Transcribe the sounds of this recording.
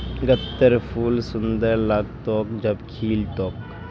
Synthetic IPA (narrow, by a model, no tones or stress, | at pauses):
ɡət̪ːəɾpʰuːlsʊnd̪əɾlak̚t̪oːkd͡ʒɐbkʰiːlt̪oːk